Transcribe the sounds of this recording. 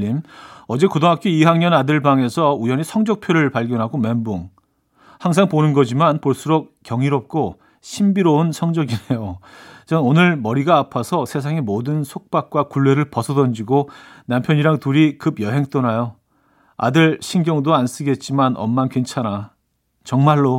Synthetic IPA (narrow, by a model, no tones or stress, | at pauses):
imʌd͡ʑe̞kɯdoŋɦak͈ʰiiɦaŋɲʌnadɯɭbaŋe̞sʰʌujʌɲisʰʌŋd͡ʑʌk̚pʰjoɾɯɭpaɭɡjʌnɦaɡome̞mboŋ | haŋs̬ʰaŋponɯnɡʌd͡ʑimanpoɭs͈uɾok̚k͈jʌŋiɾʌp̚k͈o | ɕʰimbiɾounsʰʌŋd͡ʑʌɡine̞jot͡ɕʌnonɯɭmʌɾiɡaːpʰasʰʌsʰe̞sʰaŋemodɯnsʰok̚p͈ak̚k͈wakuɭːe̞ɾɯɭpʌsʰʌdʌnd͡ʑiɡonampʰjʌɲiɾaŋtuɾikɯbjʌɦe̞ŋt͈onajo | a̰dɯɭɕʰinɡjʌŋdoans͈ɯɡe̞t̚t͡ɕ͈imanʌ̰mːankwent͡ɕʰana | t͡ɕʌŋmaɭːo